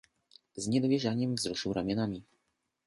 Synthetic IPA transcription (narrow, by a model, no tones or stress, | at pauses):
zɲɛd̪ovjɛʒaɲɛmvzɾuʃuɾamjɛnami